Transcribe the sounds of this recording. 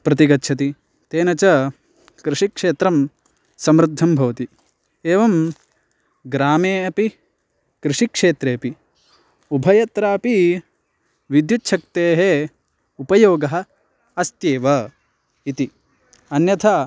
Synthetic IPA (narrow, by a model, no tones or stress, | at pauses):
pɾɐt̪iɡɐtːt͡ʃʰɐt̪i | t̪eːnɐt͡ʃɐ | kɾɪʂikʂeːt̪ɾɐm | sɐmɾud̪ʱːɐmbʱɐʋɐt̪i | eːʋɐm | ɡɾaːmeːɐpi | kɾɪʂikʂeːt̪ɾeːpi | ubʱɐjɐt̪ɾaːɐpi | ʋid̪jutːʃʰɐk̚t̪eːɦe | upɐjoːɡɐɦɐ̆ | ɐst̪jeːʋɐ | it̪i | ɐnjɐt̪ʰa